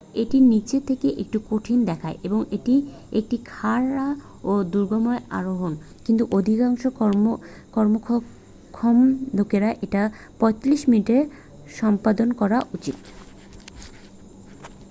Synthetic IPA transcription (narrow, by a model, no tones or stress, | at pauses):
eʈinit͡ɕet̪ʰekeʔḛk̚ʈukoʈʰind̪ɛkʰaeʔeboŋeʈi | ek̚ʈikʰaɾa | od̪uɾɡomoea̰ɾoɦon | kint̪uʔod̪ʱikaŋʃo | kɔɾmokʰ | kʰɔmd̪ʱokeɾaʔeʈa | pɔjt̪liʃminiʈeɾ | ʃɔmpad̪onkɔɾaʔut͡ɕit̪